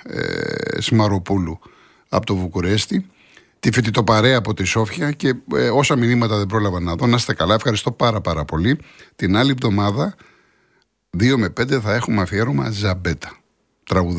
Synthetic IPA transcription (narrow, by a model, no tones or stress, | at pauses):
smɐɾo̞pulu | ɐ̰pot̪ovukuɾe̞st̪i | t̪ifit̪it̪o̞pɐɾe̞ɐːpo̞t̪iso̞fçɐce̞o̞sɐminimɐt̪ɐðebɾolɐvɐnːɐðo̞nɐst̪ekɐlɐefxɐɾist̪o̞pɐɾɐpɐɾɐpo̞lit̪inɐlivðo̞mɐðɐ | ðio̞me̞pe̞nd̪eθɐe̞xumɐfieɾomɐ̰zɐbe̞t̪ɐ̥ | t̪ɾɐɣu